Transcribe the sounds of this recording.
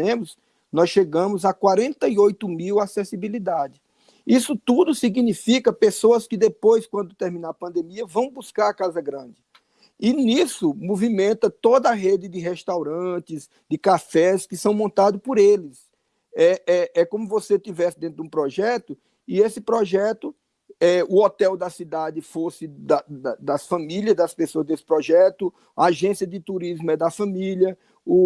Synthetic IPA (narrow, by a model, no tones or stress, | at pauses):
ẽmʊs | nɔsʃeɡɐ̃mʊzakwaɾẽnt̪ɐiojt̪ʊmiwasɛsibilid̪ad͡ʒɪ | isʊt̪ud̪ʊsiɡnifikɐpesoɐskɪd̪epojskwɐ̃nd̪ʊt̪eɾmĩnapɐ̃nd̪ẽmiɐvɐ̃w̃buskaɾɐkazɐɡɾɐ̃d͡ʒɪ | ɪnisʊmovimẽnt̪ɐt̪od̪ɐːɦed͡ʒ̪ɪd̪ɪɦɛst̪awɾɐ̃t͡ʃ̪ɪz | d̪ɪkafɛskɪsɐ̃w̃mõnt̪ad̪ʊspoɾelɪs | ɛɛɛkõmʊvoset̪ivɛsɪd̪ẽt̪ɾʊd̪ũpɾɔʒɛt̪ʊ | ɪesɪpɾɔʒɛt̪ʊ | ɛʊɔt̪ɛwd̪ɐsid̪ad̪ɪfosɪd̪ɐd̪ɐd̪ɐsfɐ̃miliɐzd̪ɐspesoɐzd̪esɪ̥pɾɔʒɛt̪ʊ | ɐaʒẽsiɐd̪ɪt̪uɾizmʊɛd̪ɐfɐ̃miljɐ | ʊ